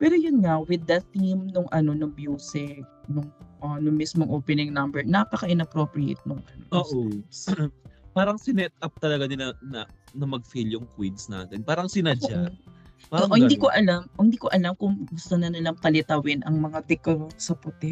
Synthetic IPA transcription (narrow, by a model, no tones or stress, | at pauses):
pɛːɾojʊnŋɐwɪd̪ːɐt̪ːimnʊŋʔɐno̞nʊŋmjuːsɪk̚nʊŋʔɐnʊŋmismoŋʔopɛnɪŋnɐmbɛɹnapɐkɐʔɪnɐpɾopɹiḛt̪̚nʊŋʔɐno̰oːʔ | paːɾɐŋsɪnɛt̪̚ɐp̚t̪ɐlɐɡanɪnɐnɐnɐmɐɡ̚filjʊŋkwinsna̰ːt̪ɛnpaːɾɐŋsɪnad͡ʒoa | aoʔʔhɪnd̪iːkoʔɐlamohɪnd̪iːkoʔɐlamkʊŋɡʊst̪onɐnɐlɐŋpɐlɪt̪ɐwɪnʔɐŋmɐŋad̪ɛkɐɾosɐpʊt̪ɪ